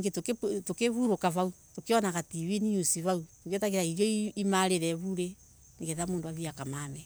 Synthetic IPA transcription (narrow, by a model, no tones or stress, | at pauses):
ɡetoketokeβuɾokaβautokeɔnaɣatiweniusiβautokjɔtaɣeɾaiɾjɔiimaɾeɾɛβuɾe | niɣɛðamoːndoaðiakamamɛ